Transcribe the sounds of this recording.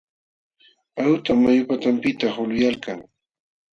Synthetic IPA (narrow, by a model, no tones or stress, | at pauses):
awt̪amajʊpat̪ampɪt̪aχʊlʊjalkaŋ